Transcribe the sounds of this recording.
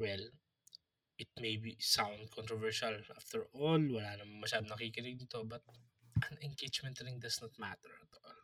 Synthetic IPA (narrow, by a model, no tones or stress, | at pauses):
wɛl | ʔɪt̪̚mejbisãwnd̪̚kʰɔnt̪ɾɔvɛɹʃɐlʔaft̪ɛɹʔolwɐlaːnɐmɐŋmɐʃaːd̪onɐkikɪnɪɡ̚nɪt̪o̞bɐt̪̚ | ʔɐŋɛŋɡet͡ʃmɛ̃nt̪ɾɪŋd̪ɐsnɐt̪̚ma̰t̪ɛɹɐt̪ʔol